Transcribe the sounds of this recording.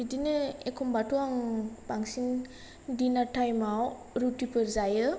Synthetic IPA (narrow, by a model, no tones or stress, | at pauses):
idinɯekʰombatuwaŋbaŋsin | dinatʰajmaw | ɾutipɯɾzajɯ